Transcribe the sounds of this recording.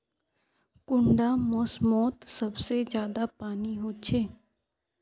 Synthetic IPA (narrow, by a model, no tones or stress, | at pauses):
kʊɳɖamɔsmɔːt̪sɐbsezjaːd̪apaːniɦoːt͡ʃʰeː